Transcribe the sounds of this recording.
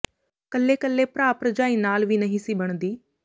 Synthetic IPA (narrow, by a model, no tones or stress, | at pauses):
kəlːeːkəlːeːpɾaːpɾəd͡ʒaːiːnaːlʋiːnəɦĩːsiːbəɳ̃d̪iː